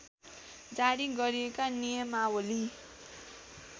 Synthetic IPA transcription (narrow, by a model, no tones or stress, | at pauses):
d͡zaɽiɡʌɾiekanijʌmawoli